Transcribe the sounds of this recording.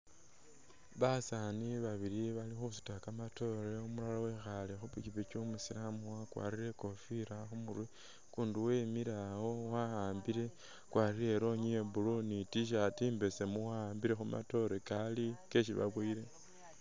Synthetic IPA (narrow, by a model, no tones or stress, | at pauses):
βasaniβaβiɾiβalixusu̥takamato̞ɾeumulalawe̞xalexupicipet͡ʃomusilamuwakwa̰ːɾiɾe̞ko̞fiɾaxumurwi | kuːnduwe̞miɾawo̞waaːmbiɾe̞ | kwaːɾiɾe̞ɾo̞ɲiebulonitiʃ̬atiːmbe̞semuwahaːmbiɾe̞xumʔa̰to̞ɾekalike̞ʃiβa̰βwiːɾe̞